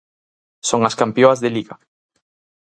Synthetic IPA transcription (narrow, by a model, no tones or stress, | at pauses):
soŋaskampjoazðeliɣa